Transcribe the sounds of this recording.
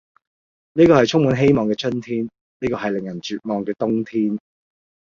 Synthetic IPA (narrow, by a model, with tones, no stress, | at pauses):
niː˥kɔː˧hɐ˨jt͡ʃʰʊ˥ŋmu˨˧nɦe˥jmɔː˨ŋkɛː˧t͡ʃɵ˥nt̪ʰiː˥n | niː˥kɔː˧ɦɐ˨jlɪ˨ŋjɐ˨˩nt͡ʃyː˨t̚mɔː˨ŋkɛː˧t̪ʊ˥ŋt̪ʰiː˥n